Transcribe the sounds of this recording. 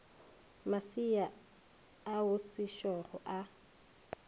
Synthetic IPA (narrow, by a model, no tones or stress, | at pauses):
masia | aʊsɪʃɔrɔʔa